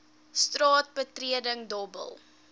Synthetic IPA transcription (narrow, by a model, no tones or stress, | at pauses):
strɑːt̚bətriədəŋdɔbə̰lˠ